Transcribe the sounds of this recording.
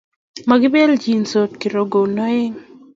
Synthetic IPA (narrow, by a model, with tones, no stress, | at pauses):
ma˨ɡɪ˦be˦ld͡ʒi˨nso˨t̪̚ki˨ɾo˨ɡo˨nɔ˦ɪ˦ŋ